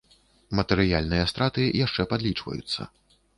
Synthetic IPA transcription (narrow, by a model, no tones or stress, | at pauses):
mɐt̪ɛɾɨjalʲnɨjɐst̪ɾat̪ɨjaʂt͡ʂɛpad̪lʲit͡ʂvɐ̰jṵt̪sːɐ̰